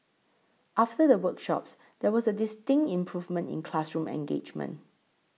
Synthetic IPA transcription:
ʔaftədəwəkʃɔ̰ps | dɛwɔsədɪstɪ̃ŋtĩmpʰɹuvmə̃ntɪ̰̃nkʰlasɹũmɛ̰̃ŋɡḛd͡ʒmə̰̃n

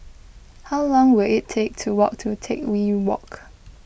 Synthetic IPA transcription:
haʊlɔ̃ŋwɪlɪtʰːek̚tʰuwɔk̚tʰutʰekwiwɔ̰k

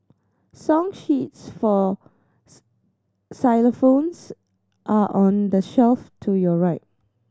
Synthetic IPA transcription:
sɔ̃ŋʃitsfɔ | saɪləfõns | ʔaʔɔ̃ndəʃɛlftʰujɔɹaɪt̚

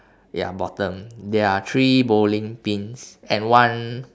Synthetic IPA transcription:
ja̰bɔtə̃mdɛat̪ʰɹibolĩŋpĩnsɛ̃nwãn

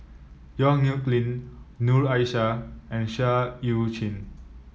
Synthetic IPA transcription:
jɔ̃ŋnjuklĩnːuɹajʃaɛ̃nʃajut͡ʃĩn

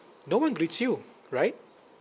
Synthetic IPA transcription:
nowʌ̃nɡɾitsju | ɹajt̚

